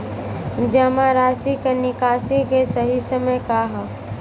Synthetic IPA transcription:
d͡ʒəmaɾaːsikenɪkaːsikesəɦisəməjkaɦɛ

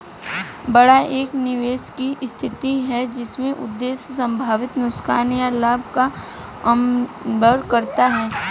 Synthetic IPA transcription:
bɐɽaʔeːknɪʋeːʃkist̪ʰɪt̪iɦɛd͡ʒɪsmẽʔʊ̰d̪ːeːssɐ̃mbʱaːʋɪt̪nʊkskaːnjalaːbʱka | ɐmbʱəɾkɐɾt̪aɦɛː

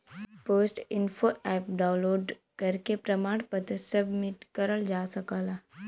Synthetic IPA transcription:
poːsʈɪnfʰoʔɛːp̚ɖãːʊ̃nloːɖkəɾkepɾəmaːɽ̃pət̪səbmɪʈkəɾəld͡ʒaːsɐkaːlaː

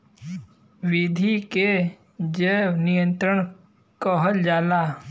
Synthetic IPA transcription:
wɪd̪ʱike | d͡ʒenɪjə̃nt̪ɾəɳ̃ | kɔɦəld͡ʒaːla

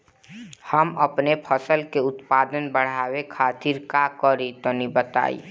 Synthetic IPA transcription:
həməpnepʰəsəlkeʊt̪paːd̪ənbəɽ̤aːwekʰaːt̪iːɾkakɔɾit̪ɔnibət̪a̰ːḭ

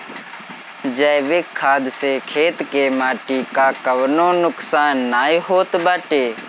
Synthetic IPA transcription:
d͡ʒəːʋɪkʰːaːd̪seːkʰeːt̪keːmaːʈiːkaːkəʋnõːnʊksaːnːaːiɦoːt̪baːʈeː

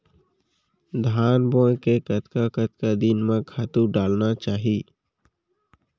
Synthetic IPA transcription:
d̪ʱaːnbõːjkekət̪kakət̪kad̪inmẽkʰaːt̪uɖaːlnat͡ʃaːɦiː

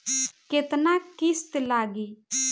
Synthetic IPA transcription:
ket̪nakist̪ɛlaɡi

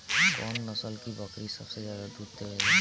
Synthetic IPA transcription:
kɔːnːəsəlkibəkɾisəbsezjaːd̪ad̪ut̪eɛ

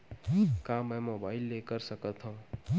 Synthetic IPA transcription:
kamɛmobaːɪilːekəɾsəkət̪ʰɦõũ

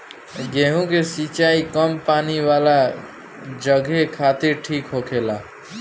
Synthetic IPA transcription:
ɡeːɦũkesit͡ʃaːikəmpaːniʋaːla | d͡ʒəɡʱekʰaːt̪iɾʈʰiːkɦokʰelaː

